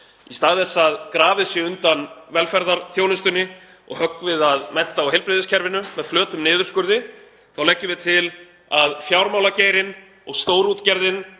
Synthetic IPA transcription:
ist̪aːɣðɛsːaðkɾaːvɪsjɪʏnt̪anvɛlfɛɾðaɾθjoːwnʏst̪ʏnːɪ | ɔ̰ɣhœkːvɪðaðmɛn̥t̪aawɦejlpɾɪðɪscʰɛɾvɪnʏːɛðflœːt̪ʏmnɪːðʏɾ̥skʏɾðɪ | θawlɛhcːɪvɪðt̪ʰɪl | aðfjawɾmawlaceːjɾɪn | ɔɣst̪oːwɾut̪cɛɾðɪn

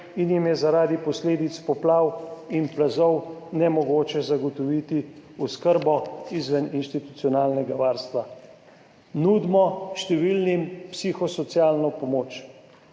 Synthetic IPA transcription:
injimjɛzaɾaːd̪ipɔsleːd̪it̪spɔplaːwinplazɔwnɛmɔɡoːt͡ʃɛzaɡɔt̪ɔʋiːt̪iuskəɾbɔizʋɛninʃt̪it̪ut̪sijɔnaːlnɛɡaʋaːɾst̪ʋa | nud̪mɔʃt̪ɛʋilnimpsixɔsɔt̪sjaːlnɔpɔmoːt͡ʃ

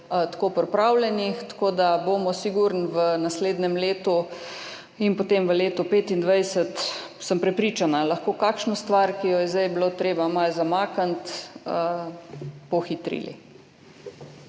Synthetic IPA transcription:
ət̪koːpɔɾpɾaːwlɛnixt̪ḁkoːd̪abomɔsiɡuɾnʋənasleːd̪nɛmleːt̪u | inpot̪emʋəleːt̪ɔpeːt̪ind̪ʋajsət̪ | səmpɾɛpɾiːt͡ʃanalaxkoːkaːkʃnost̪ʋaɾkijɔjɛzd̪ɛjblot̪ɾeːbamalzamaːkant̪ə | pɔxit̪ɾḭlḭ

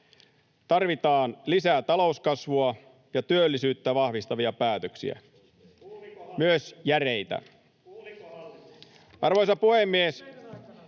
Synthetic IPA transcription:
t̪ɑrʋit̪ɑːnlisæt̪ɑlouskɑsʋuɑ | jɑt̪yølːisyːt̪ːæʋɑhʋist̪ɑʋiɑpæːt̪øksḭæ̰ | myøsjære̞jt̪æ̰ | ʔɑrʋojsɑpuhemːies

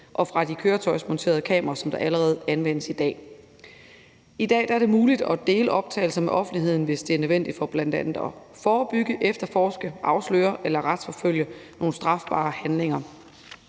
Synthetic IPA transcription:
ʔɒ̽fʁɑ̈d̥ikʰøːɐt͡sʰɒ̽ɪsmɒ̽nt͡sʰe̝̰ːɐð̞̩ˠkʰɛ̰ːmɐʁɐsɒ̽md̥ɑ̈ʔæləʁɛːð̞̩ˠænʋen̰əsid̥ɛ̰ː | id̥ɛ̰ːd̥ɑæɐɾe̝muːlid̥ɒ̽d̥e̝ːləʔɒ̽b̥̚t͡sʰɛ̰ːɪl̩sɐmeʔɒ̽fn̩d̥iɦe̝ð̞̰ˠn̩ʋe̝sd̥e̝æɐnøʋen̰d̥id̥fɒ̽b̥læn̰d̥ænð̩ˠɒ | fɒːb̥yɡ̥əʔefd̥ɐfɒːsɡ̥əʔɑ̈ʊslø̰ːɐʔelɐʁad̥sfɒ̽føl̰jəno̝ːn̩sd̥ʁɑ̈fb̥ɑ̰̈ːhænle̝ŋɐ

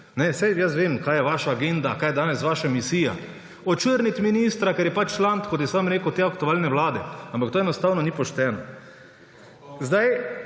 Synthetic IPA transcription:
nɛsɛjjəs̬ʋeːmkaːjɛʋaːʃaːɡend̪akajɛd̪aːnɛsʋaːʃamisiːja̰ | ɔt͡ʃəɾnit̪miniːst̪ɾakɛɾjɛpat͡ʃt͡ʃlant̪kɔt̪̬jɛsamɾeːkəwt̪eːakt̪uaːlnɛʋlaːd̪ɛampak̚t̪oːɛnɔst̪aːwnɔnipɔʃt̪ɛːnɔ | zd̪aj

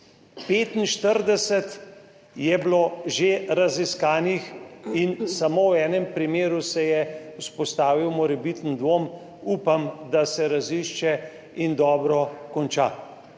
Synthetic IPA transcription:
peːt̪inʃt̪əɾd̪ɛsɛt̪ | jɛbloʒeɾaziskaːnixinsamowɛːnɛmpɾimeːɾusɛjɛuspɔst̪aːʋiwmɔɾɛbit̪ənd̪ʋoːm | uːpamd̪asɛɾaziʃt͡ʃɛ | ind̪ɔːbɾɔkɔnt͡ʃa

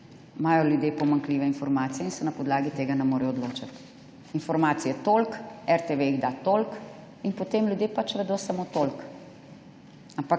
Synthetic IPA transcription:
maːjɔljud̪jeːpɔmaŋkliːʋɛinfɔɾmaːt̪sijɛinsɛnɐpɔd̪laːɡit̪eːɡanɛmoːɾɛjɔd̪loːt͡ʃat̪ | infɔɾmaːt̪sijɛt̪oːlkɛɾt̪eʋeiɣd̪at̪olk | inpot̪eːmlʲjud̪jepat͡ʃʋɛd̪oːsamot̪olk | ampak

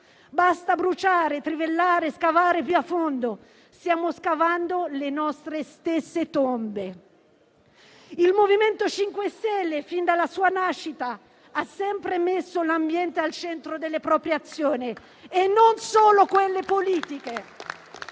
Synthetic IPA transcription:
bast̪abɾut͡ʃaːɾet̪ɾivelːaːɾeskavaːɾepjuafːond̪o | sjaːmoskavand̪olenɔst̪ɾest̪esːet̪ombe | ilmoviment̪ot͡ʃiŋkwest̪ɛlːefind̪alːasuːanaʃːit̪a | asːɛmpɾemesːolambjɛnt̪ealt͡ʃɛnt̪ɾod̪elːepɾɔːpɾjeat̪sːjoːniː | nːonsoːlokwelːepoliːt̪ike

